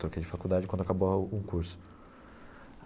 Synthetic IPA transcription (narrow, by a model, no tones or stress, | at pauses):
t̪ɾokejd͡ʒɪfakud̪ad͡ʒɪkwɐ̃nd̪ʊakaboũkuɾsʊ̥